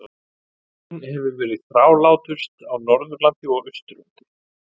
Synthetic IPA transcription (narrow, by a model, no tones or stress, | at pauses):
nhɛvʏɾvɛːɾɪðfɾaːwlaːwt̪ʏst̪awnɔɾðʏɾlant̪ɪɔɣʏst̪ʏɾla̰nt̪ɪ̥